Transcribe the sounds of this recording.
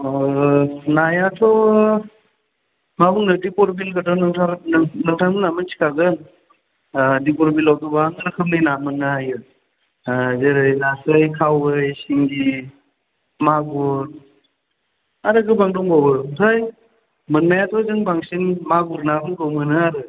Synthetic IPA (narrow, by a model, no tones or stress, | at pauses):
najatʰɔ | maɡunnɯdipɔɾbilkatʰɔnŋtʰaɾnɯŋtʰamɯnamɯnsʰi̥kʰaɡɯn | dipɔɾbilawtʰɔbaŋɯɾɯkʰɯmnɯjnamɯnːajɯ | zeɾɯjnasɯjkʰawɯjsiŋdi | maɡuɾ | aɾɯɡɯbaŋdɔŋbawbɯutʰaj | mɯnːajatʰɔzɯŋbaŋsiŋmaɡuɾnabɯŋɡɔwmɯnɯaɾɯ